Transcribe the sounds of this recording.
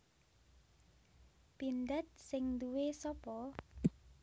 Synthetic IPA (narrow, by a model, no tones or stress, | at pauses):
pind̪at̪̚sɪŋd̪uwesɔpɔ